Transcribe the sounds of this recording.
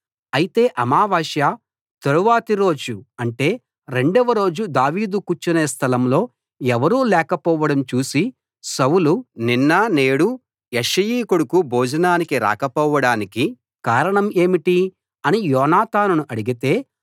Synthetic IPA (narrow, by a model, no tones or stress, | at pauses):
ɐjit̪e̞ːʔɐmaːʋaːʃjaː | t̪eɾuʋaːt̪iɾo̞ːd͡ʒuɐɳʈe̞ː | ɾe̞ɳɖɐʋɐɾo̞ːd͡ʒud̪aːʋiːd̪ukut͡ʃːɐneːst̪ʰɐlɐmlo̞ː | ɛʋɐɾuːlɛːkɐpɔːʋɐɽɐmt͡ʃuːsi | sɐwuluninːɐne̞ːɽu | jeʂɐjiːkuɽukubʱɔːd͡ʒɐnaːnikiɾa̰ːkɐpɔːʋɐɽaːniki | kaːɾɐɳɐme̞ːmiʈi | ɐnijɔːnaːt̪aːnunuʔɐɽiɡit̪e̞ː